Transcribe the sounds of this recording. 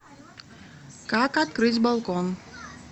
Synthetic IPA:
kakat̪kɾɨt͡s̪ʲbalˠkɔn

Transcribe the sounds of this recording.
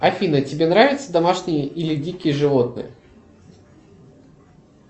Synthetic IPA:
ɐfʲinətʲɪbʲenɾavʲɪt̪səd̪ɐmaʂnʲɪjəʔilʲɪdʲikʲɪjəʐɨvo̞t̪̚nɨ̰jə̰

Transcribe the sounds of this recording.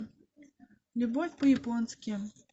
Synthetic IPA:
lʲubɔfʲpɐjɪpɔnskʲɪ

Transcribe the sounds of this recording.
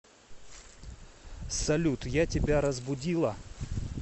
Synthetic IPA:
sɐlʲut̪jatʲɪbʲaɾəzbʊdʲilˠə

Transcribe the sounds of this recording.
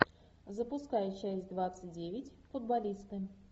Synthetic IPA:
zəpʊskajɪt͡ɕæsʲtʲd̪vat̪sɨt̚ʲdʲevʲɪtʲfʊd̪̚balʲist̪ɨ

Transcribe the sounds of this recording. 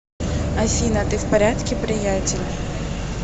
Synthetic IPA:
ɐfʲinɐt̪ɪwpɐɾʲat̪kʲɪpɾɪjatʲelʲ

